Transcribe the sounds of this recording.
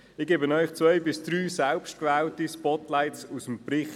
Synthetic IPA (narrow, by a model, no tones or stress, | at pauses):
ɪɡ̥eːbənœʏχt͡sʋœʏbɪsd̥ɾyːsɛlpʃt̚kʋɛːltispɔtlaɪtsusəmprɪχ